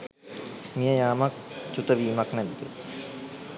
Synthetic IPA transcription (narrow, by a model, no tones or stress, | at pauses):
mijɐjaːmɐk̚t͡ʃut̪ɐʋiːmɐknɐd̪e